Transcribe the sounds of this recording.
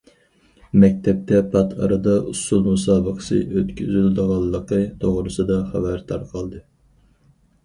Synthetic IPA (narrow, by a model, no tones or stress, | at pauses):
mɛk̚ʲt̪ʰɛp̚t̪ʰɛpʰɑt̪ʰɑ̰ɾɨd̪ɑʔusulˠmusɑːbəqə̥sɨ̰ʔøt̪kʲʰyzyld̪əʁɑlˠːəqət̪ʰoʁɾɨsɨd̪ɑχæ̰væɾd̪ɑɾqʰɑlˠd̪ɨ